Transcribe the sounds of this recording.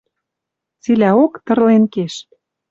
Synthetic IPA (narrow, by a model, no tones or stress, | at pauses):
t͡silæokt̪ɤ̆rlenkeʃ